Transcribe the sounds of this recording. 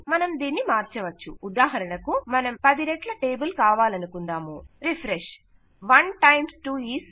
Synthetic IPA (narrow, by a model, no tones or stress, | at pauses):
mɐnɐmd̪iːnːimaːɾt͡ʃɐʋɐt͡ʃːuːd̪aːɦɐɾɐɳɐkumɐnɐmpɐd̪iɾeʈlɐʈeːbulkaːʋaːlɐnukund̪aːmuɾipʰɾeʃ | ʋɐnʈɐjmsʈuːiːs